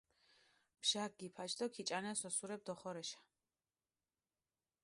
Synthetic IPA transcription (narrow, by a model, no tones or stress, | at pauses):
b̥ʃak̚ɡipʰat͡ʃd̪ɔkʰit͡ʃʼanɛsɔsuɾɛb̚d̪ɔχɔɾɛʃḁ